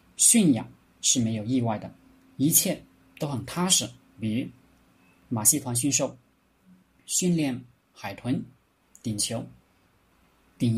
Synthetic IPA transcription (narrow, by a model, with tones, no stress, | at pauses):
ɕy˥˩nja̰˨˩˦ | ʂɻ̩˥˩me˧˥ɪjo˨˩ʊi˥˧wa˥˩ɪd̪ə˩ | i˧˥t͡ɕʰjɛ˥˩ | t̪o˥ʊxə˨˩nt̪ʰa˥ʂɻ̩˨˥˩ | py˨˩˥ | ma˨˩ɕi˥˧t̪ʰwa˧˥nɕ̬y˥˧nʂo˥˩ʊ | ɕy˥˧nljɛ˥˩n | xa˨˩ɪt̪ʰwə˧˥n | t̪i˨˩ŋt͡ɕʰjo˧˥ʊ | t̪i˨˩ŋ